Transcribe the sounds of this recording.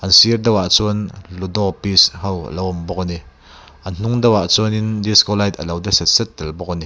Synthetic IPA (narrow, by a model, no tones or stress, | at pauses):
ʔɐnsiərd̪ɐwaʔt͡suənlud̪ɔpishɐw̰lɐwɔmbɔk̚ni | ʔɐnn̥uŋd̪ɐwaʔt͡suənindiskɔlajt̪ə̰lɐwd̪ɐsɛt̪̚sɛt̪̚ːɛlbɔk̚ni